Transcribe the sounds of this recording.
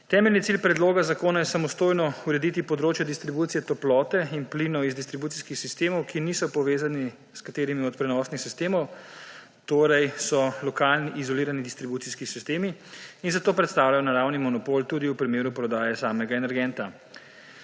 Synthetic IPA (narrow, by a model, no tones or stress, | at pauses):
t̪ɛːmɛlnit̪silpɾɛd̪loːɡazakoːnajɛsamɔst̪oːjnɔuɾɛd̪it̪ipɔd̪ɾoːt͡ʃjɛd̪ist̪ɾibuːt̪sijɛt̪ɔplɔːt̪ɛinplinɔizd̪ist̪ɾibuːt̪iskixsist̪eːmɔwkinisɔpɔʋeːzani | skat̪eːɾimiɔt̪̚pɾɛnɔsnixsist̪eːmɔw | t̪oːɾɛjsɔlɔkaːlniʔːzɔliːɾanid̪ist̪ɾibuːt̪siskisist̪eːmiinzat̪oːpɾɛt̪st̪aːwlajɔnaɾawnimɔnɔpoːlt̪uːd̪iupɾimeːɾupɾɔd̪aːjɛsaːmɛɡaɛnɛɾɡɛnt̪a